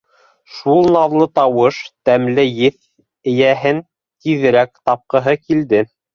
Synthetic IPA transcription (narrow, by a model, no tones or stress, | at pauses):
ʃulˠnɑðlˠɤt̪ɑwɤʃt̪æmlɘjɘθ | ɘ̆jæɦɘn | t̪iðɘ̆ɾækt̪ɑp̚qɤ̆ɦɤkild̪ɘ